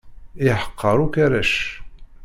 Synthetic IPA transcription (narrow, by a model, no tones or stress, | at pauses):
iħə̥qʰːəɾˤukæɾæʃ